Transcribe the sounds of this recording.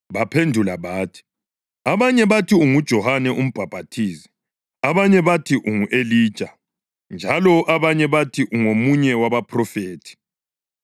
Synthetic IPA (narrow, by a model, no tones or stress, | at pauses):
βapʰendʱulaβaːtʰi̥ | aβaɲɛβatʰiuŋud̥ʒ̥ʱɔhanɛʔum̩b̥ʱab̥ʱatʰiːsi̥ | aβaɲɛβatʰiʔuŋuʔeliːd̥t͡ʃʼa | nd͡ʒʱalɔʔaβaɲɛβatʰiʔuŋomuɲɛwaβapʰrɔfeːtʰi̥